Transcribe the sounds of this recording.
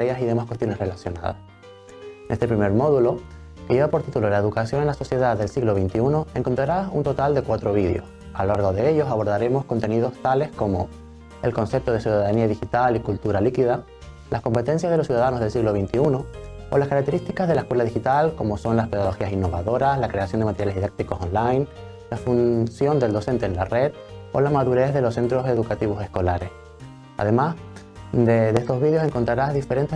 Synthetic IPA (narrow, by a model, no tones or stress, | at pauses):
ɾeasiðe̞maskwet̪jo̞ne̞sre̞lasjo̞na̰ða̰s | ne̞st̪e̞pɾime̞ɾmo̞ðulo̞ | keʝeβapo̞ɾt̪it̪ulolaeðukasjo̞ne̞nlaso̞sje̞ðaðe̞lsiɣlo̞βejnt̪iunoe̞ŋko̞nt̪ɾaɾasunt̪ot̪ald̪e̞kwat̪ɾo̞β̞iðjo̞̰s | alaɾɣoðe̞eʎo̞saβo̞ɾðaɾe̞mo̞sko̞nt̪e̞nið̞o̞st̪ale̞sko̞mo̰ | e̞̰lkõ̞nse̞p̚t̪o̞ðesjuðaðaniaðixit̪alikult̪uɾalikiða | lʔasko̞mpe̞t̪e̞nsjazðelos̬ːjuðaðanozðe̞lsiɣlo̞βejnt̪iunoo̰laskaɾakt̪e̞ɾist̪ikazðelaekwelaðixit̪alko̞mo̞so̞nlaspeðaɣo̞xiasinːo̞βa̰ðo̞ɾaslakɾe̞asjo̞nd̪emat̪eɾjaleðiðak̚t̪iko̞sõnlajn | lafunsjo̞nd̪e̞ld̪o̞se̞nt̪eːnlare̞ð | o̰lamaðuɾe̞zðe̞lo̞se̞nt̪ɾo̞se̞ðukat̪iβ̞o̞se̞sko̞laɾe̞s | a̰ðe̞mas | d̪edest̪o̞zβiðjose̞ŋko̞nt̪ɾaɾazðife̞ɾe̞nt̪e